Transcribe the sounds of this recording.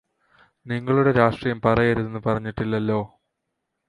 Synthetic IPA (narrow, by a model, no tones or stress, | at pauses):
niŋːɐɭuɽe̞ɾaːʂʈrijɐmpɐrɐjɐɾuðenːɨpɐrɐɲːiʈːilːɐlːo̞ː